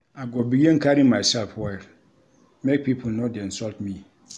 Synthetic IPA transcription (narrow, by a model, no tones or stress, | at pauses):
aɡɔbijɛ̃ŋ̩kʰaɾĩmãɪsɛlfwɛ | mɛ̃k̚pʰipʰunɔ̃dɛ̃n̩sɔltmĩ